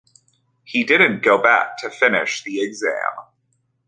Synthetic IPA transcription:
hidɪdⁿn̩ɡ̥oʊbæ̰k̚tʰɨfɪ̃nɪ̰ʃðiɨɡzæ̰̃m

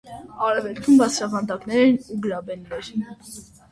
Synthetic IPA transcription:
ɑɾɛvɛlkʰumbɑt͡sʰɾɑʁɑnd̪ɑknɛɾɛnuɡəlɑbɛnːɛɾn

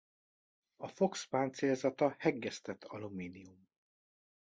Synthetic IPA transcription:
ɒfo̞kspaːnt̪seːlzɒt̪ɒhɛɡːɛst̪ɛt̪ʰːɒlumiːnium

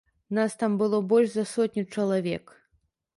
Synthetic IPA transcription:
nast̪ambɨlˠɔbɔlʲʂzɐsɔt̪ʲnʲut͡ʂɐlˠavʲɛk

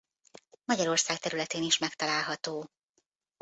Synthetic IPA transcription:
mɒɟɒɾo̞rsaːkt̪ɛɾylɛt̪eːniʃmɛkt̪ɒlaːlɦɒt̪oː

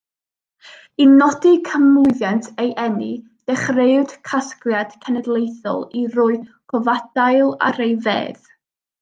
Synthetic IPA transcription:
inɔdikʰəmʊɨðjantʰejʔɛni | d̥ɛχreɨd̥kʰaskrjad̥kʰɛnɛdlˠejθɔ̰lˠirʊːɨkʰɔvad̥ajlˠa̰ɾejvḛːð

